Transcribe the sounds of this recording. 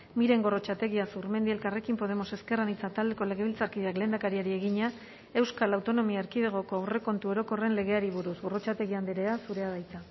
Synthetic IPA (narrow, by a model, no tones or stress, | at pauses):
miɾe̞ŋɡo̞ro̞t͡ʃat̪e̞ɣiasuɾmend̪ie̞lkare̞kimpo̞ð̞e̞mo̞se̞ske̞ranit͡sat̪ald̪e̞ko̞le̞ɣe̞βilt͡saɾkiðeakle̞ːnd̪akaɾiaɾie̞ɣiɲa | e̞wskalawt̪o̞no̞miaːɾkið̞eɣ̞o̞ko̞awre̞ko̞nt̪uo̞ɾo̞ko̞re̞nle̞ɣ̞e̞aɾiβuɾusɣo̞ro̞t͡ʃat̪e̞ɣiand̪eɾe̞asuɾe̞aðajt͡sa